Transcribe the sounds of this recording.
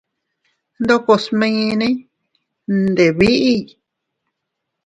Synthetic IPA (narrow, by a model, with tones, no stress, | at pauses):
nd̪o˦ko˧smẽ˧ĩ˧nẽ˦ | nd̪e˨βi˦ʔi˦˧